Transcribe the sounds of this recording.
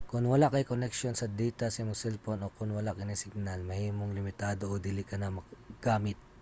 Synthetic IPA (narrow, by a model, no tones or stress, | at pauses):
kʊŋwɐlakɐjkonɛk̚ʃonsɐd̪iːt̪ɐsmosɛlponʔokʊnwɐlakɪnɐsɪɡ̚nalmɐhiːmoŋlɪmɪt̪aːd̪o̞ʔod̪ɪlikɐnɐmɐɡ̥aːmɪt̪̚